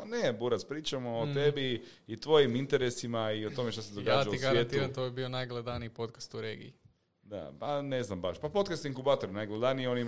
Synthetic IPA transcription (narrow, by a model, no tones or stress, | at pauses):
nebuɾat̪spɾiːt͡ʃamoːt̪e̞biː | t̪ʋo̞jimint̪eɾesimaio̞t̪o̞meʃt̪ased̪o̞ɡaːatd͡ʒauiɡaɾjaeːt̪iɾant̪oebionajɡlˠed̪aniipot̪kḁst̪uɾeːɡḭi | d̪a̰paneznambaʃpapo̞t̪kast̪iŋkubaːt̪oɾnajɡled̪anijo̞ni